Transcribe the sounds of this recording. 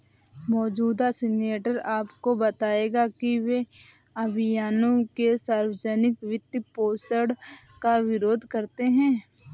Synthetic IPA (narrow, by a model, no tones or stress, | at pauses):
mɔːd͡ʒuːd̪asɪneːʈəɾaːpkobɐt̪aːeːɡakiʋe | ɐbʱɪjaːnõkesaːɾwəd͡ʒənɪkʋɪt̪ːipoːsəɽkaʋɪɾoːd̪ʱkɐɾt̪eɦɛ̃ː